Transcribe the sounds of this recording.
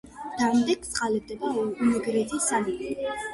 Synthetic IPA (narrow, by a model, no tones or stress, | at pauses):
d̪̥amd̪ɛk̚ʰt̪sʼqʼalɛb̚d̪ɛbaumɛɡɾɛzisanimɛ